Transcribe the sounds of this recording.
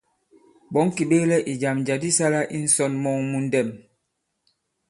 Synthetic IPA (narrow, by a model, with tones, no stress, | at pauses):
ɓɔ˨˦ŋ˦ki˨ɓe˦lɛ˦ʔi˨d͡ʒa˨md͡ʒa˨di˦sa˦la˦ʔi˦n̩˦sɔ˦˨nmɔ˦˨ŋmu˦n̩˦dɛ˦˨m